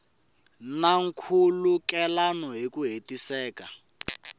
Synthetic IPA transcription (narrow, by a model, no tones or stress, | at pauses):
naŋ̩kʰulukɛlanɔɦekuɦetisɛːka